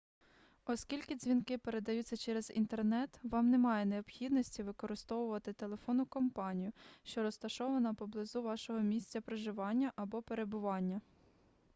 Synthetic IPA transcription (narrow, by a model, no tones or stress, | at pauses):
ɔskʲilʲkɪzʲʋʲinkɪpe̞ɾe̞d̪ɐjut͡sʲːɐt͡ʃɛɾezḭnt̪ernɛt̪ʋɑmnemɑjɛneɔbxʲid̪nɔsʲtʲiʋɪkɔɾɪst̪ɔʋʊʋɐt̪ɪt̪e̞lˠe̞fɔnʊkɔmpɑnʲijʊʃt͡ʃɔɾɔst̪ɐʃɔʋɐnɐpɔblˠɪzuʋɑʃɔɦɔmʲisʲt͡sʲɐpɾeʒɪʋɑnʲːɐʔɐbɔpeɾe̞bʊʋɑnʲːɐ